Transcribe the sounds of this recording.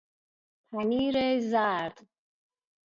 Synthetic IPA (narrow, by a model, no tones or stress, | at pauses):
pʰaniɾejzaɾd̪